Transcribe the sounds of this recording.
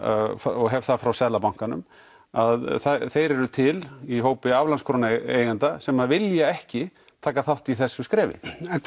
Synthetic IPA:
fɔɣɦɛvθaðfɾawsɛðlapawŋ̥kanʏ̰m | aðθaθejɾɛɾʏt̪ʰɪliɦoːwpɪavlanskʰɾoːnejɣant̪asɛmaðvɪljaɛhcɪt̪ʰaːkaθawht̪iθɛsːʏskɾɛːvɪ̰

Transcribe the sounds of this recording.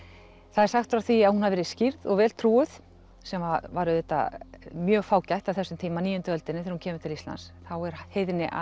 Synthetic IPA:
θaðɛɾ̥saxt̪fɾaθiahunhaðvɛːɾɪscɪɾðɔ̰ɣvɛːlt̪ʰɾuːʏð̥ | sɛmvavaɾʏθɛt̪ːa̰mjœːɣfaːwcajht̪avθɛsːʏmt̪ʰiːmaniːjʏnt̪ʏœlt̪ɪnːɪθɛɾhuncʰɛːmʏɾ̥t̪ʰɪlist̪la̰nsθawɛɾ̥heːjðnɪʔa̰

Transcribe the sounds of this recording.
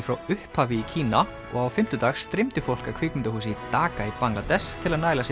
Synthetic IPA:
fɾawʏhphaːvɪicʰiːna | ɔ̰ɣawfɪm̥t̪ʏt̪aːxsːt̪ɾɪmt̪ɪfowl̥kakʰv̥ɪːkmʏnt̪ahuːs̬ɪit̪aːkaipaŋlat̪ɛst̪ʰɪlaðnaːjlas

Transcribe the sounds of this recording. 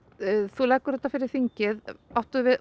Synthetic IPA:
θulɛjkːʏɾhɛt̪ːafɪɾɪɾ̥θiɲcɪðawht̪ʏðvɪð

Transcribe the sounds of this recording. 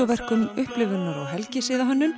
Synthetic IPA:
ɔvɛr̥kʏmʏhplʏvʏnːaɾawɦɛlcɪsɪːðaɦœnːʏm

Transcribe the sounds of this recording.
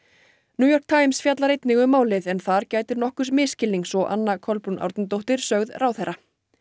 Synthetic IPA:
njuːjɔr̥k̚t̪ʰaːjmsfjat̪laɾejt̪nɪɣʏmaːwlɪðɛnθaɾcaːjt̪ɪɾnɔhkʏsmɪːscɪlːiŋksɔʔa̰nːakʰɔlpunʔa̰wɾt̪nt̪̬owht̪ɪɾ̥sœɣðrawθɛrːa

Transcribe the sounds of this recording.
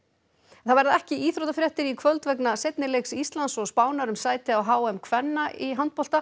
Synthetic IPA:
θaðvajɾɪðɛhcɪiːθɾowt̪afɾjɛht̪ɪɾikʰvœlt̪vɛknaset̪̚nɪleksist̪lansɔɣspaːwnaɾʏmsaːjt̪ɪawɦaːwɛmkʰvɛnːaiɦant̪̚pɔlt̪a

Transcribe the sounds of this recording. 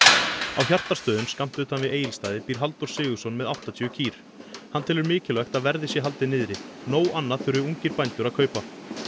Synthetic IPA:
awçjar̥t̪ast̪œːðʏmskam̥t̪ʏt̪hanvɪʔeːjɪlst̪aːðɪpiɾ̥ɦalt̪ɔɾ̥sɪːɣʏsɔnːmɛðawht̪at̪ʰiːʏcʰiːɾ̥ | hant̪ʰɪlʏɾmɪːcɪlœxt̪aðvɛɾðɪsjɛɦalt̪ɪnɪːðɾɪnoːwʔanːaðθʏɾʏʏuɲcɪɾpajnt̪ʏɾaðkʰœːɥpa

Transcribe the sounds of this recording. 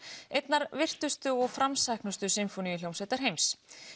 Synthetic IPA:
ejt̪naɾvɪr̥t̪ʏst̪ʏɔɣfɾamsajhknʏst̪ʏsɪmfɔniːljowmsɛt̪aɾ̥ɦejms

